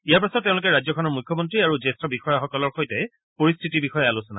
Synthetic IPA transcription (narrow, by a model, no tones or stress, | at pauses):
ijaɹpasɔttːẽʊ̃lʊk̬ɛɹajzɔkʰɔnɔɹmujkʰːɔmɔntɹiaɹuzestɔbixɔjaxɔkɔlɔɹxojtɛ | poɹistʰitibixɔjaalusɔna̰